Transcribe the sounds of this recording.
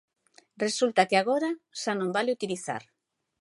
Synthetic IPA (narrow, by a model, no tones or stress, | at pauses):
re̞sult̪akeaɣo̞ɾasanombaleut̪iliθa̰ɾ